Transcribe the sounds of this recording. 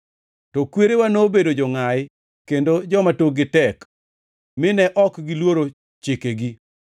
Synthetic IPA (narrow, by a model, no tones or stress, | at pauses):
tɔkweɾewanobedod͡ʒɔŋaɪ | kendod͡ʒɔmatoɡɪtɛk | mɪnɛʔɔkɡɪlwoɾo | t͡ʃekeɡi